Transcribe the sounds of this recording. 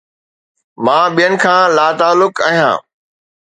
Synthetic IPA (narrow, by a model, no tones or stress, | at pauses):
mãːɓijənɪ̆kʰãːlaːt̪aːlːʊka̰ːɦijã̰ː